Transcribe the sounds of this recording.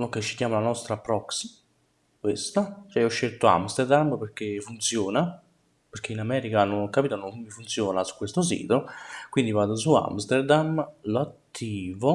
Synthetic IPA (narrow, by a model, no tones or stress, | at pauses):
noket͡ʃːi̥kjaːmalanɔst̪ɾapːɾɔksi̥ | kwest̪at͡ʃɛɔʃːelt̪oa̰mst̪erd̪amperk̟efːunt̪sjoːna | perk̟einamɛːɾikanonɔkːapiːt̪ononmːifunt̪sjoːnasu̥kːwest̪os̬ḭːt̪okwind̪ivaːd̪osua̰mst̪erd̪amloat̪ʰːiːvo